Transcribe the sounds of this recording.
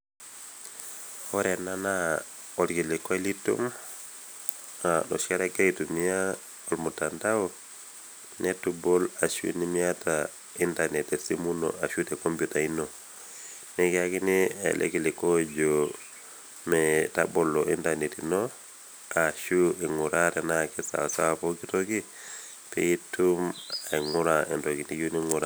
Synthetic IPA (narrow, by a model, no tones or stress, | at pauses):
oɾenana | ɔlkilɛkɔelitṵm | ano̰ʃaɾaɡeitumija | olmutandao | netubɔlaʃṵnimiata | intanɛtesimunɔ̰ʔaʃutɛkompjutainɔ | nekiakinia̰lʔḛkilikod͡ʒo | metabolːoʔintanetino | aʃueŋuɾaɾenakisa̰sawapokitoki | pḛitumaŋuɾaentokinijuniŋuɾa̰